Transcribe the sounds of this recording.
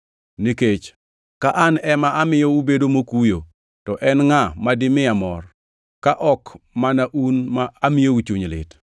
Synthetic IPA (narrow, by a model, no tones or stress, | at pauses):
niket͡ʃ | kaʔanɛmaamɪjɔubedomokujo | tɔʔɛnŋamadɪmɪamɔr | kaʔɔkmanaʔunmaamɪjout͡ʃuɲlɪ̰t